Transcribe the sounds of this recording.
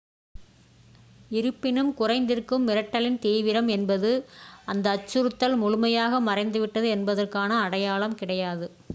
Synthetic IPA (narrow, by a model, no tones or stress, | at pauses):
ɪɾɯpːɪnɯmkʊrɐɪnd̪ɪrkɯmːɪɾɐʈːɐlɪnt̪iːʋɪɾɐmɛnbɐðɯʔɐnd̪ɐːt͡ʃːɯɾɯt̪ːɐlmʊɻʊmɐjaːɣɐmɐrɐɪnd̪ɯʋɪʈːɐðɯɛnbɐðɐrkaːnɐːɽɐjaːɭɐmkɪɽɐjaːðɯ